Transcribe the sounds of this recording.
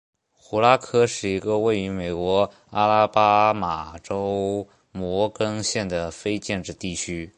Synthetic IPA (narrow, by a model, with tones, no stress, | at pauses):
xu˧˥la˥kʰɤ˥ʂɻ̩˥˩i˧˥ɡə˧we˥˩ɪy˧˥me˨˩ɪkwɔ˧˥ | a˥la˥pa˥ma˨˩ʈ͡ʂo˥ʊ | mwɔ˧˥kɤ˥ŋɕjɛ˥˩nd̪ə˩fe˥ɪt͡ɕjɛ˥˧nʈ͡ʂɻ̩˥˧t̪i˥˩t͡ɕʰy˥